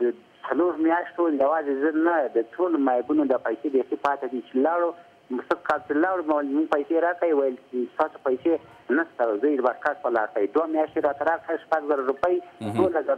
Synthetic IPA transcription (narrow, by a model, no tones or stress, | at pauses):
d̪ə | t͡saloɾmjɑʃʈoljawɑzezənad̪ətolomajbunod̪apajsebexipɑt̪ad̪it͡ʃelɑɽu | səkɑlt͡ʃelɑɽumawlmuɡpajseɾɑkaiwajəlst̪ɑsopajse | nast̪aozəd̪əmaɾkaspalɑɾkawid̪wamjɑʃt̪eɾɑt̪aɾɑkɽaʃpaɡzaɾaɾupəjd̪olazaɾ